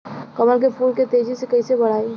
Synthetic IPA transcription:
kɐməɾk̬epʰuːɾket̪eːd͡ʒisekɐisebɐɽ̤aːi

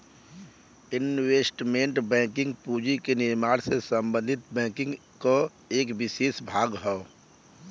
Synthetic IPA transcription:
ɪnweːsʈmẽɳʈbɛ̃ːkɪ̃ŋɡpud͡ʒikenɪɾmaːɾsesəmbə̃nd̪ʱɪt̪̚bɛ̃ːkɪ̃ŋɡ | ko | eːkbɪseːsbʱaːɡɦɛo

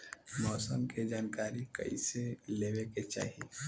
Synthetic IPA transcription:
mɔːsəmked͡ʒaːnkaːɾikɐ̰ḭseleːʋeket͡ʃa̰ːɦi

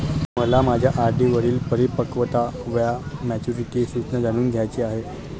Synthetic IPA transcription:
məlamad͡ʑʱjaʔaɾɖiʋəɾiːlpəɾipəkʋt̪aʋjamæt͡ɕuɾiʈisut͡snəd͡zaɽ̃uːnd̪ʱjajt͡ɕiːaɦe

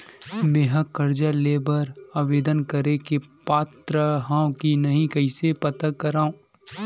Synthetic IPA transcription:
beːɦəkɐɾd͡ʒaleːbəɾaːʋeːd̪ənkəɾekepaːt̪ɾəɦãːõkinɐɦĩkɐɪsepɐt̪əkɐɾaːõː

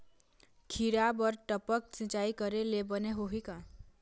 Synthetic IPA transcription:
kʰiɾaːbɔːɾʈəpək̚sɪ̃t͡ʃaːikəɾelebəneɦoɦika

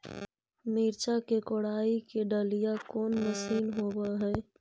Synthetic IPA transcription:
miːɾt͡ʃakekoɽaːikeɖəlijakoːnməsiːnɦoːbaɦɛː

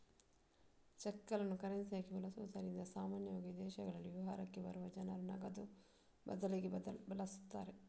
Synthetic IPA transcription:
t͡ʃɐkːɐlɐnukɐɾenseːkiʋɐlɐsuːt̪ɐɾind̪ɐsaːmaːnjɐjɐːɡid̪ɛːʃɐɡɐɭɐlʋiʋɐɦaːɾɐkːebɐ̰ɾuʋɐd͡ʒɐnɐɾunɐɡɐd̪u | bɐ̰d̪ɐliɡebɐlɐsu̥t̪ːaːɾe

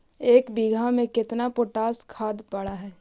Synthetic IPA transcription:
eːkbiɡʱamẽkɪt̪napʊʈaːskʰaːd̪pɐɽaɦɛː

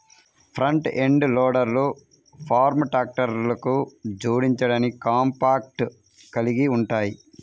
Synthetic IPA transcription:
pʰɾɐɳʈeɳɖlɔːɽɐɾloː | pʰaːɾmʈaːk̚ʈɐɾlɐkud͡ʒuːɽiɲt͡ʃɐɽɐnikaːmpaːk̚ʈ | kɐliɡiuɳʈaːji

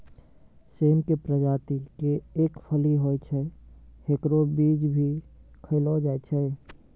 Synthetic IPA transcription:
semkepɾəd͡ʒat̪ikeekpʰəliɦot͡ʃʰɛhekɾobid͡ʒbʱikʰəɪlɔd͡ʒajt͡ʃʰɛ

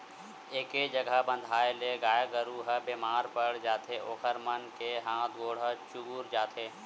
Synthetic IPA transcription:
eːked͡ʒəɡʱəbə̃nd̪ʱaːeleːɡaːjeɡəɾuɦəbeːmaːɾpəɽd͡ʒaːt̪ʰeʔoːkʰəɾmənkeɦãːt̪ɡoːɽ̤ət͡ʃʊɡuːɾd͡ʒaːt̪ʰeː

